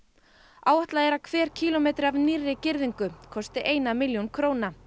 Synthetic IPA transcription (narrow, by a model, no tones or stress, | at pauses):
aːwaht̪laðɛɾakʰvɛːɾ̥cʰiːlɔmeːjt̪ɾɪavnirːɪcɪɾðiŋkʏkʰɔst̪ɪʔeːjnamɪljownkʰɾoːwna